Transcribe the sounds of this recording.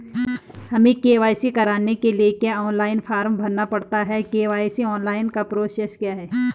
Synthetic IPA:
hɐmẽkeːʋaːjsikɐɾaːnːekeliekjaɔːnlaːɪnfʰaːɾmbʱɐɾnːapɐɽt̪aɦɛkeːʋaːɪsiɔːnlaːɪnkapɾoːsɛskjaːɦɛː

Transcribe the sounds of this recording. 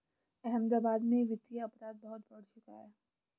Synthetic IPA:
ɛɦə̃md̪aːbaːd̪mẽʋɪt̪ijaɐpɾaːd̪̚bɐɦʊt̪bɐɽ̤t͡ʃʊka̰ɦɛː

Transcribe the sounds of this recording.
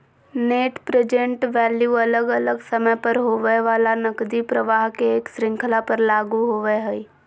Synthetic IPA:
neːʈpɾed͡ʒẽɳʈʋɛːljuɐləɡələɡsəməjpəɾɦoːʋəʋaːlanəkd̪ipɾəʋaːɦkeːksɾɪ̃ŋkʰlapəɾlaːɡuɦoːʋəɦɛi

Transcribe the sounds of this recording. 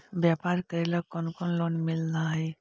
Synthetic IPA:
bjaːpaːɾkəeləɡ̚kɔnkɔnloːnmɪlnaɦɛ

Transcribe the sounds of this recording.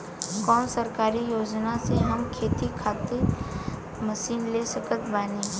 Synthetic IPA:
kɔːnsəɾkaːɾijoːd͡ʒnaseɦɐmkʰeːt̪ikʰaːt̪ɪɾ | məʃiːnleːsəkət̪ʰbaːne

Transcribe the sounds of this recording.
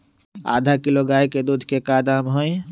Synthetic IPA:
a̰ːd̪ʱakiloɡaːjked̪uːd̪ʱkekad̪aːmɦoi

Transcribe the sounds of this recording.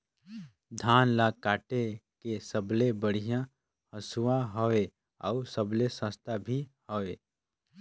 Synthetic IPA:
d̪ʱaːnlakaːʈekesəblebəɽ̤ijã | həsuwãɦɔe | ɔusəblesə̃st̪ʰabʱihoeː

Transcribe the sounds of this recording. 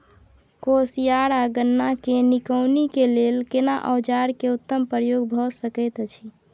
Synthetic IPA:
kosijaɾaɡənːakenikəwnikelelkenaʔə̰wd͡ʒaɾkeut̪ːəmpɾəjoɡbʱɔsəkɛjt̪t͡ʃʰi

